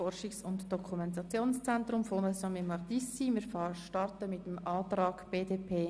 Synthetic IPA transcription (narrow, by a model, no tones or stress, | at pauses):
ɔrʃiksʊntd̥ɔkʰumɛntɑt͡sjoːnst͡sɛntɾʊmfonɛsɔmɪmɑrd̪isimɪɾfʃtɑrtəmɪt̪əmɑːt̪ɾɑːɡ̥b̥eːdeːpʰeː